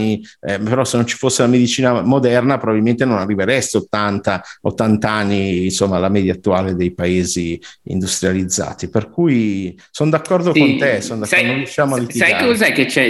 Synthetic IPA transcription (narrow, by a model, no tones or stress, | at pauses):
i | peɾɔsenːont͡ʃi̥fosːelamed̪it͡ʃiːnamod̪ɛrnapɾobabilment̪enonarːiveɾɛst̪eot̪ːant̪ao̰t̪ːant̪aanːinsomːalamɛːd̪jaːt̪ːuaːled̪ejpaeːziḭnd̪ust̪ɾjalid̪zːa̰ːt̪iperkuj | sond̪akːɔrd̪okont̪esond̪anõrjuʃːjaːmoalːit̪iajekozajket͡ʃɛ